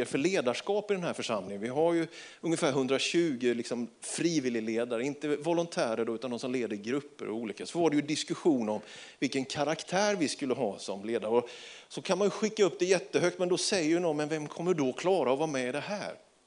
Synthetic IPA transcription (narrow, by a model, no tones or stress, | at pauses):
əɾfœɭeːd̪aʂkɑːpɪd̪ɛnhæːɾfœʂamlɪŋənvɪɦaɾjɵ | ɵŋːəfæːɾɦɵnd̪ɾaɕʉ̟ːɡɪlɪksɔm | fɾiːvɪlːɪleːd̪aɾəɪnt̪əvɔlʊnt̪ʰæːɾəɖɔʉ̟ːt̪and̪ɔmsɔmleːd̪ːəɪɡɾɵpːə̰ɾɔ̰uːliːkasɔvaɖɛjɵd̪ɪskɵɧuːnɔmvɪlkənkʰaɾakt̪ʰæːɾvɪskɵlːəɦɑːsɔmleːd̪aɾɔ | sɔkʰanmanjɵɧɪkːaɵpːd̪ɛjɛt̪ːəɦœk̚t̪mɛnd̪ɔsɛjːəɾnɔmɛnvɛmkʰɔmːəɖɔkʰlɑːɾaɔvɑːmɛɪd̪ɛɦæːɾ